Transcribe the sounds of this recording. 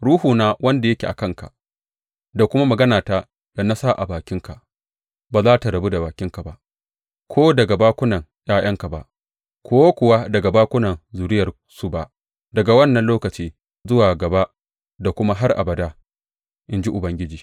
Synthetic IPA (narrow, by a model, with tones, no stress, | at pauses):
ɽuː˦huː˨naː˦wɐ˦nda˨jɐ˦kʲe˨ʔa̰˨kɐ˦ŋka̰˨ | da˨kʷʊ˦ma˦mɐ˨ɡɐ˦naː˨ta˦ | da˨na˦sa˦˨ʔa˨baː˨kʲɪ˦ŋka˨ | baː˨zaː˦ta˨ɽɐ˨bu˦da˨baː˨kʲɪ˦ŋka˨ba˦˨ʔ | kʷʰoː˦dɐ˨ɡa˨baː˦kʷʊ˦nɐ˨ŋ | jaː˦j̰ɐ˦ŋka˨ba̰˨ʔ | kʷʰoː˦kʷʊ˨wa˦dɐ˨ɡa˨baː˦kʷʊ˦nɐ˨nzuː˨ɾɪ˦jɐ˨r | su˦˨ba˦ʔ | dɐ˨ɡa˨wɐ˦nːɐ˨nloː˦kɐ˨t͡ʃiː˦ | zʊ˦waː˨ɡɐ˨ba˦ | da˨kʷʊ˦ma˦ɦa˦rʔa̰˨bɐ˨da˦ | ʔɪ˦nd͡ʒi˦ʔʊ˨bɐ˦ŋɡʲɪ˦d͡ʒiː˨